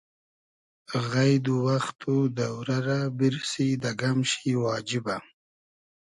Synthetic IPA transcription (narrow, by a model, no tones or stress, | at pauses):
ɣajd̪uwaxt̪ʰud̪awɾaɾabiɾsid̪aɡamʃiwɑːd͡ʒiba